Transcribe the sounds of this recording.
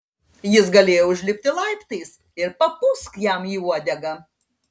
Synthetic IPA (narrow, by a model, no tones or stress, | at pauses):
jɪsɡɐlʲeːjoʊʒʲlʲɪpʲt̪ʲɪlˠɐɪpt̪ɐɪs | ɪɾpɐpʊskjɛˑmiːuɔd̪ʲɛɡɐ